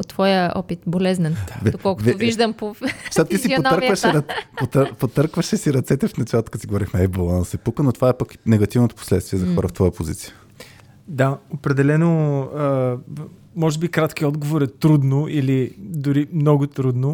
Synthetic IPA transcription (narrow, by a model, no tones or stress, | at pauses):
ot̪ːvɔjəɔ̰pit̪bolɛznɛnvɛd̪okɔlˠkovɛviʒd̪əmpot̪at̪t̪isiioonəɾvəʃɛɾɐpot̪əɾpot̪əɾkvəʃɛsiɾɐt̪sɛt̪ɛfnɐt͡ʃalˠət̪ok̪siɡovɔɾixmɛɛbolˠansɛpukənot̪ovaɛpɐknɛɡɐt̪ivnot̪o̥po̥slɛt̪st̪viɛzɐxɔɾəft̪vɔjəpozḭt̪siə | d̪aopɾɛd̪ɛlɛnoə | mɔʒɛbikɾat̪k̟iɔd̪ɡovoɾɛt̪ɾud̪noʔilid̪ʊɾimnɔɡʊt̪ɾud̪no